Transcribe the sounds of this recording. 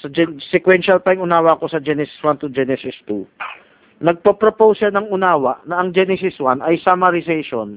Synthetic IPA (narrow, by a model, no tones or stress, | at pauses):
sɐd͡ʒɛsɛkwɛnʃɐlpɐjɪŋʊnaːwɐko̞sɐd͡ʒɛnɛsɪ̥swant̪ud͡ʒɛnɛsɪst̪u | nɐɡ̚popɾopowsʃanɐŋʊnaːwɐʔnɐʔɐŋd͡ʒɛnɛsɪswanɐjsamɐɾɪsɛjʃon